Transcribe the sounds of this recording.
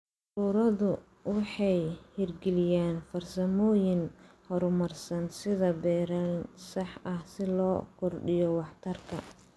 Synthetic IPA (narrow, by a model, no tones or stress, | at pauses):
ruːɾɐðʊ | wɑħɑjhɪrɡɛlɪjaːnfɐrsɐmɔːjɪnhɔɾmɐrsɐnsɪðɐbɛːɾɐnsɑħʔɐhsɪlɔːkʰɔrɖɪjɔwɑħt̪ʰɐrkʰɐ̰